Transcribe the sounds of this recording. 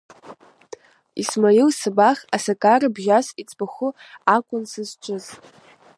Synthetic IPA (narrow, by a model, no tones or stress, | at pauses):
ismajiwsɨbaχasakʼarɨbʒʲasit͡sʼbaχʷʊakʷʼʊnsɨzt͡ʃʷʼʊz